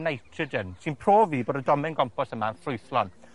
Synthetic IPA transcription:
nejtʰrɨdənsɨnpʰroːviːboːdədɔmɪnɡɔmpɔsəmaənfrʊɨθlɔn

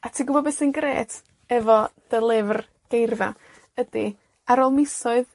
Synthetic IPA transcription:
atʰiːɡʊbɔbɛsənɡrḛːtʰ | ɛvɔd̥əlˠɪvr | ɡ̥ejrva̰ | ədi | aɾoːlˠmɪsɔɨð

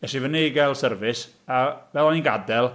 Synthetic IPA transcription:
ɛʃivənejɡɛlˠsərvɨs | avɛlˠɔninɡadɛlˠ

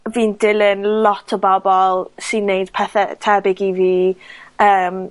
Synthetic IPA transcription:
viːndɪlɪnlˠɔtʰɔbɔbɔlˠsɨnːejd̥pʰɛθɛtʰɛbɪɡiviːəːm

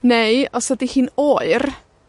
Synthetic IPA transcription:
nejɔsɔdihiːnoɨr

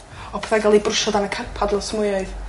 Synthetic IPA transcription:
ɔpʰeθaɡalˠibrʊʃɔdanəkʰanpʰadlˠɔsmʊjɔɨð

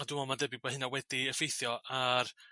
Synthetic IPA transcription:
ɔdɪmɔmadɛbɪbahɨnawɛdiəfejθjɔar

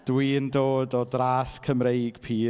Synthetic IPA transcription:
d̥wiːəndoːdɔdraːskʰəmrejɡ̥pʰiː

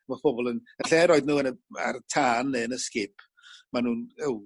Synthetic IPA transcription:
mapʰɔbɔlˠənəɬɛɾɔːɨdnuːənəa̰rtʰaːnːeənəskɪpʰ | manuːnɛw

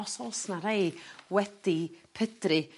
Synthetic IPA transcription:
ɔsɔlˠsnaɾejwɛd̥ipʰədrɨ

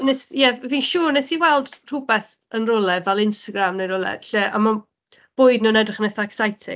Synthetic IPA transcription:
nɛsjɛvviːnʃuːrnɛsiwɛlˠdr̥ʊbɛθ | ənrʊlˠɛvɛlˠɪnstaɡɾamnejɾʊlˠɛ̰ɬɛʔa̰ma | b̥ʊːɨdnuːnɛdrɪχənɛθaksajtʰɪ̰

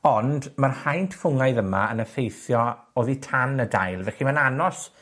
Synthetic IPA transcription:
ɔndmarhajntʰfʊŋajðəmaənəfejθjɔoːðitʰanəda̰jlˠvɛχimananɔs

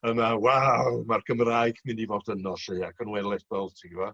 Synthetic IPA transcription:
əmawawmarɡ̥əmraːɨɡ̥mɨndivoːdənɔseaɡʰənwɛlˠɛθɔlˠtʰiɡvɔ

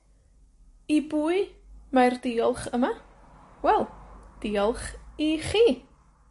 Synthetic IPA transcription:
ibuːɨmajrdiːɔlˠχəma | wɛlˠd̥iːɔlˠχiχiː

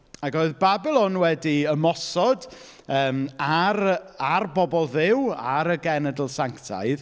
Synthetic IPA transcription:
aɡoɨðbabɪlˠɔnwɛdiəmɔsɔd | əːmaɾarbɔbɔlˠðɪwa̰ɾəɡɛnədlˠsaŋktʰa̰jð

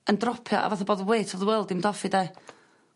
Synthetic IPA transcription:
əndrɔpʰjɔ̰ʔa̰vaθaboːðəweːtʰɔvðəwɛlˠdɪmdɔfidej

